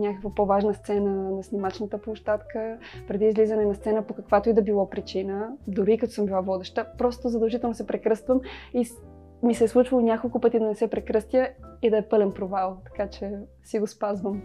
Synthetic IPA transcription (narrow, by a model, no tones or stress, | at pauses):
nʲakəkvəpovaʒnəst̪sɛnənɐsnʲimat͡ʃnət̪əplˠoʃt̪at̪kəpɾɛd̪iːzlizənɛnɐst̪sɛnəpokəkvat̪oid̪ɐbilˠɔpɾit͡ʃinəd̪ʊɾikət̪ɔ̥sɤmbilˠavɔd̪ɛʃt̪əpɾɔst̪ozɐd̪ɐlˠʒit̪ɛlˠnosɛpɾɛkɾɤst̪vəmi | misɛslˠut͡ʃvɐlˠonʲakolˠkʊpət̪id̪ɐnɛsɛpɾɛkɾɤst̪jəid̪ɐɛpɤlɛnpɾovalˠt̪ɐ̥kat͡ʃɛ | siɡospazvəm